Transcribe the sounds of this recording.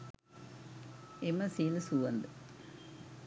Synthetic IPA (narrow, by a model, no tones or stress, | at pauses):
emɐsilsuʋɐnd̪ɨ